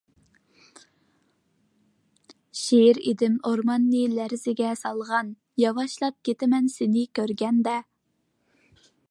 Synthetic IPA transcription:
ʃeɾed̪ɪmoɾmɑnːɨlæɾzɪɡʲɛsɑlˠʁɑn | jɑwɑʃlˠɑp̚kʲʰet̪ɪmɛnsɪnɪkʲʰøɾɡʲɛnd̪ɛ

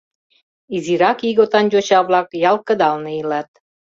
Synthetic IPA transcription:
iziɾɑkiɣot̪ɑnd͡ʑot͡ɕɑβlɑkjɑlkə̆d̪ɑlneilɑt̪̚

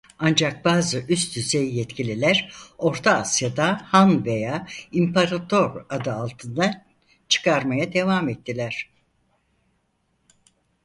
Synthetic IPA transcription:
and͡ʒak̚baːzɯʔyst̪ʰyzejjɛt̪cʰilʲilʲæɾo̞ɾt̪ʰaːsjad̪ahanve̞jaːimpʰaɾat̪ʰo̞ɾad̪ɯalˠt̪ʰɯnd̪a | t͡ʃʰɯ̥kʰaɾmajad̪e̞vamɛt̪ːilʲæɾ̥

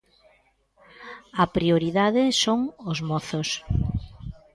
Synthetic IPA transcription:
ɐpɾioɾiðaðɪsoŋʊzmɔθʊs

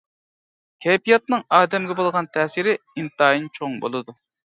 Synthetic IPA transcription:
kʲʰɛjpijɑt̪̚nɨŋɑːd̪ɛmɡʲɛbolˠʁɑnt̪ʰɛːsiɾɪint̪ɑːjint͡ʃʰoŋbo̰lˠɨd̪u

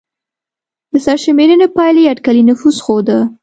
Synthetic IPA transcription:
d̪̥əsaɾʃəmeɾinepɑjleaɖkalinʊfuzxod̪ə

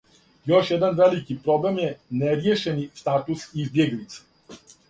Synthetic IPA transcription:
joʃjed̪anʋelikipɾoblemjeneɾjeʃenist̪aːt̪usizbjeɡlit̪sḁ

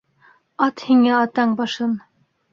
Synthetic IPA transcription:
ɑt̪hiŋæɑt̪ɑɴbɑʃɤn

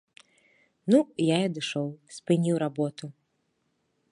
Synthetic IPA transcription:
nujaɐd̪ɨʂɔwsʲpɨnʲiwɾabɔt̪u

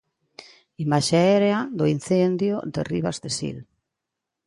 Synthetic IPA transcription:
imaʃeaeɾead̪oin̟θend̪jod̪eriβazd̪esḭl

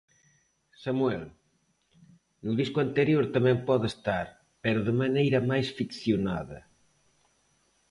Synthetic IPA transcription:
samuɛl | nuðiskuant̪eɾjoɾt̪amɛ̃mpɔðest̪aɾ | peɾʊðemanejɾɐmajsfikθjona̰ðɐ̰

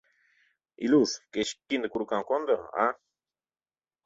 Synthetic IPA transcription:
ḭluskeʃkind̪akuɾukaŋkond̪aa̰

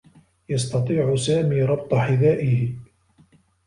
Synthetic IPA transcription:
jɑst̪ɑt̪ˤiːʕʊsaːmiːɾˤɑb̚t̪ˤɑħɪðaːʔɪhɪ

